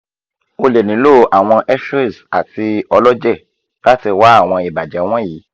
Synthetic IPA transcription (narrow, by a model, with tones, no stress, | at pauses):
o˧le˨nĩ˨˦lo˦˨ʔa˨w̃ɔ̃˧ʔɛ˦ʃe˦˨sa˨ti˧ɔ˧lɔ˦d͡ʒɛ˦˨ | la˦ti˧wa˦a˦˨w̃ɔ̃˧i˨ba˨d͡ʒɛ˨˦w̃ɔ̃˦jiː˨˦